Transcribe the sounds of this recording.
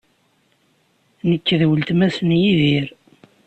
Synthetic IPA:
nəkːðwəlt̪mæsnjiðiɾ

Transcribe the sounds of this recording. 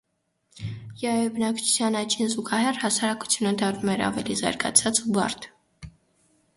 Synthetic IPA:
jɑɛbənɑkt͡ʃʰu̥t͡sʰjɑnɑt͡ʃʰinzuɡɑɦɛrhɑsɑɾɑku̥t͡sʰjunəd̪ɑrnumɛɾɑ̰vɛlizɑ̰ɾɡɑ̰t͡sʰɑt͡subɑ̰ɾt̪ʰ

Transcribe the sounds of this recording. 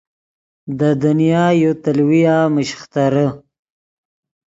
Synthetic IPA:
d̪əd̪anijɑːjot̪alwijɑməʃxt̪aɾə

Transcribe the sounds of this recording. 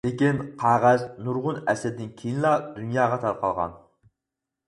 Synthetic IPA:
lekʲinqʰɑːʁɑznuɾʁʊnɛsɛd̪d̪ɪnkʲʰejinlˠɑd̪unjɑːʁɑt̪ʰɑɾqʰɑlˠʁɑ̰n

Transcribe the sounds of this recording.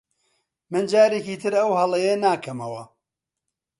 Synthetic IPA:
mɨnd͡ʒaːɾeːkiːt̪ʰɨɾɐwhɐlˠɐjenaːkʰɐmɐwɐ

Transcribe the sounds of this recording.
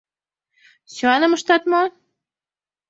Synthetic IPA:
syɑnə̆mə̆ʃt̪ɑt̪mɑ

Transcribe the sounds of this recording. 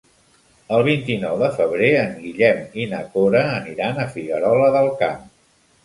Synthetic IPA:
əlˠβ̞int̪inɔwðəfəβɾeəŋɡiʎɛminəkoɾəːniɾanəfiɣəɾɔləðəlˠkam

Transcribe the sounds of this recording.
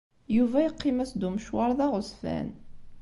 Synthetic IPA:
juvæjəqːimæsd̪umʃwɑɾˤðɑʁʊsˤfæ̰n

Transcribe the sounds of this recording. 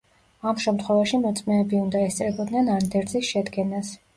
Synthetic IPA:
amʃɛmt̪ʰχwɛvaʃimɔt̪sʼmɛːbiund̪aɛst̪sʼɾɛbɔd̪nɛnand̪ɛɾt̪zisʃɛd̪ɡɛnas

